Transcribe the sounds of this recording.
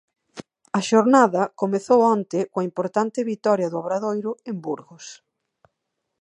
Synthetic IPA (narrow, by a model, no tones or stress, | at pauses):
ɐʃoɾnaðɐkomeθowɔnt̪ɪkõɐimpoɾt̪ant̪ɪβit̪ɔɾjɐðʊaβɾaðojɾʊembuɾɣʊs